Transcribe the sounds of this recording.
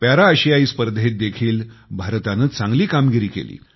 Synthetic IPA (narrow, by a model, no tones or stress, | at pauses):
pjaɾaəɕiaiːspəɾd̪ʱet̪̚d̪ekʰiːlbʱaɾt̪anəːt͡sãŋɡliːkamɡiɾiːkḛlḭː